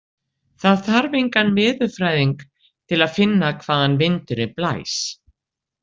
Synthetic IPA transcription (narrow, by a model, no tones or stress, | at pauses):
θaðθaɾvejŋkanmɪːðʏ̥fɾaːjðiŋk | t̪ʰɪlaðfɪnːakʰvaːðanvɪnt̪ʏɾɪpla̰ːjs